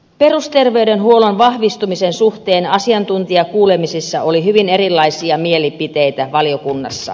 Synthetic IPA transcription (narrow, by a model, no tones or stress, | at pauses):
perust̪erʋeydenhuolonʋɑhʋist̪umisensuht̪eːnɑsiɑnt̪unt̪iɑkuːlemisisːɑʔolihyʋineɾilːɑisiɑmielipit̪eit̪æʋɑlijokunːɑ̰sːɑ̰